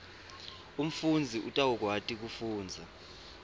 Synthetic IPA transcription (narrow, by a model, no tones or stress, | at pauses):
um̩fund͡zʱiʔutʼak̬ɔk̬watʼik̬ufuːnd͡zʱa